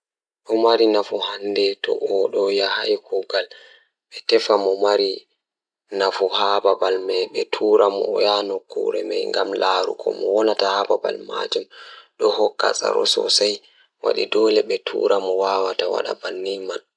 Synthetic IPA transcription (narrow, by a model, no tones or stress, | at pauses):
ɗɔmaɾinafuhandɛtɔ̰ʔɔɗɔjahajkʰuɡal | ɓɛtɛfamɔmaɾi | nafuhababalmɛjɓɛtʰuɾamɔjanɔkːṵɾɛmɛjŋɡamlaɾṵkʰɔmɔwɔnatahababa̰lma̰d͡ʒumɗɔhɔkːa̰sa̰ɾɔ̰sɔ̰saj | wa̰ɗidɔlɛɓɛtʰṵɾamɔwawatawa̰ɗa̰banːiman